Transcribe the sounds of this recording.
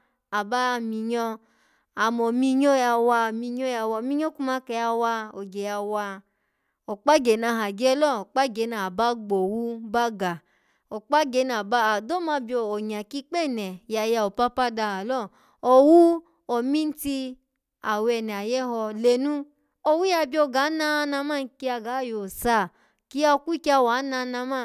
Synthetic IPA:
a˨ba˦˧mi˧ɲɔ˧ | a˨mo˨mi˧ɲo˦ja˧wa˧˨mi˧ɲo˦ja˧wa˧˨mi˦ɲo˦ku˦ma˧˦kɛ˧ja˧wa˧o˨ɡe˨ja˧wa˧ | o˨k͡pa˦ɡe˨˦na˧˨ɦa˨ɡɛ˦lɔ˦˨o˨k͡pa˦ɡe˨˦na˨ba˦ɡ͡bo˨wu˦ba˦ɡa˨ | o˨k͡pa˦ɡe˧˦na˨ba˦a˨do˦ma˧bjɔ˧o˨ɲa˨ki˦k͡pɛ˦˨nɛ˨ja˧ja˧o˨pa˦pa˦da˧˨ha˨lɔ˦˨ | o˨wu˦ | o˨mĩ˦n̩˦ti˧ | a˨wɛ˧˨nɛ˨a˨jɛ˦ɦɔ˧le˧nũ˦ | o˨wu˦ja˧˨bi˦o˧˨ɡa˨˦na˧˦na˧ma˦˨n˧ki˧a˧ɡa˨˦˨jo˨sa˧˨ | ki˦a˧ku˦ki˦a˧wa˨˦na˧na˧ma˦˨

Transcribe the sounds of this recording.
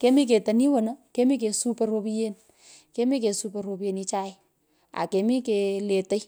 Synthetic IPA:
ke˦mi˦k̬e˨ta˨ni˦wə˨na˦ke˦mi˦k̬e˨su˦pɛro˧pi˦je˦n | ke˦mi˦ke˨su˦pe˨ɾo˨pi˨e˨ni˧t͡ʃa˦ɪ˦ | a̰˨ke˨mi˦kele˨tə˦j

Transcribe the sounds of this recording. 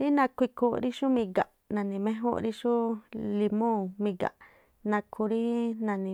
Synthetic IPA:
ɾi˦nã˧kʷi˧kũ˧ɾi˦ʃu˦mĩ˧ɡa˨ʔ | nã˨nĩ˧mẽ˦ɦṵ˦˧ɾi˦ʃu˦li˧mõ˦˨mĩ˧ɡa̰˨ʔ | nã˧kʰu˧ɾi˦nã˧nĩ˧˨

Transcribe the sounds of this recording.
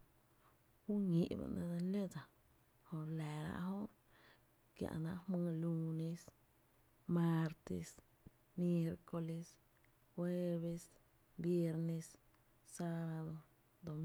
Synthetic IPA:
xu˦ɲi˨ʔbḛ˨na̰˧de˧le˦d͡za˨ | ho˧ɾle˨ɾa̰˧ʔɦo˦ɾ | kja̰˧na˧hmɨ˧lu˧ne˧s | ma˧ɾt̪ḛ˧s | mje˧ɾko˧le˧s | xwe˦˧βe˧s | bje˧ɾne˧sː | a˧ba˧d̪o˧ | d̪o˨

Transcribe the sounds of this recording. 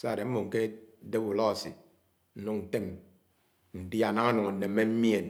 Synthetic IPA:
sa˦a˨de˨m̩˦mo˨ŋ̩˨ke˦de˦bu˨lɔ˦˨sḭ˨ | n̩˦nu˦ŋn̩˨te˦m | n̩˨di˦a˨na˦ŋa˦nu˨ŋa˨n̩˨ne˨˦me˦m̩˦mi˦e˨n

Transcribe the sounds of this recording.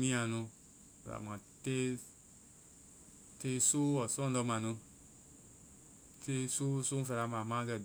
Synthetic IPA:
mĩ˦ã˨nũ˧ | ɛ̰˨ɾa̰˨mã˨te˦ | te˦so˦ɔ˨sɔ̃˦dɔ˧˦mã˨nũ˧ | te˦su˦su˦fɛ˨ɾa˨mã˨mã˦kɛ˨

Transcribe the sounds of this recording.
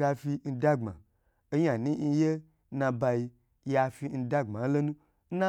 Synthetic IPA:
a˧fi˧n̩˧da˦ŋ͡ma̰˨ | o˦ɲa˨nĩ˦n̩˧je˦ | nã˧ba˧ji˧ | ja˧fi˧˦n̩˧da˦ŋ͡ma˨˦lo˦nũ˦ | n̩˦na˦

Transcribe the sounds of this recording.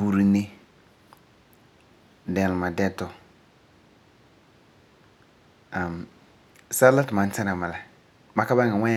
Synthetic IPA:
u˨ɾi˦nɪ˦ | dɛ˨lma˨dɛ˦tɔ˨ | a˨m | sa˦la˦tma˨n̩˦ta˦ɾa˨ma˨la˨ | ma˦ka˦ba˦ŋa˨wʷa˦

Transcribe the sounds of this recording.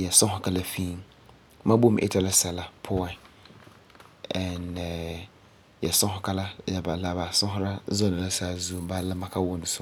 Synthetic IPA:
jɛ˨sɔ̃˦ɦʊ˨ka˦la˦fĩ˦m | mã˦bo˦m˨ʔɪ̰˦tʰa˨la˦sɛ˨la˨pʰʊ˦a˨n | ɛ˨n˨ | jɛ˨sʊ̃˦ɦʊ˦ka˦la˦ɛ˨ba˨la˨ba˨sʊ̃˦ɦʊ˦ɾa˦zɔ˦nɪ̃˨la˦sa˨zu˨m˦ba˦lɪ˦mã˦kʰa˦wʊ˦n˨sʊ˦

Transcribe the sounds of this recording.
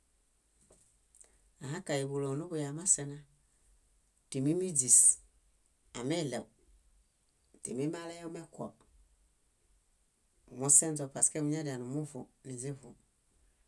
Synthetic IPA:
a˨ɦa˦ka˨ji˨βu˨lɔ˨nu˦bu˨ja˨ma˦sɛ˨na˦ | ti˨mi˦mi˦d͡zi˨s | a˨mɛ˦˨lɛ˨w | ti˨mi˦ma˦lɛ˦jmɛ˦kʷɔ̰˨p | mu˦sɛ˦nzɔ˨pa˨skɛ˦mu˦ɲa˦da˨nu˨mu˦vu˨ni˨zi˦vu˨

